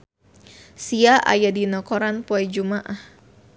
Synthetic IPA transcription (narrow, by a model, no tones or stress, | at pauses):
siaʔa̰jadinɔkɔɾanpoɛd͡ʒumaʔah